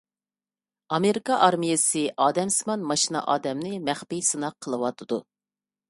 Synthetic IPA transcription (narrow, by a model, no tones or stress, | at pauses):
ɑmeɾikɑʔɑɾmijɪsɨʔɑːd̪ɛmsɨmɑnmɑʃinɑ̰ʔɑːd̪ɛmnɪmæχpijsɨnɑqʰəlˠɨwɑt̪ʰɨd̪u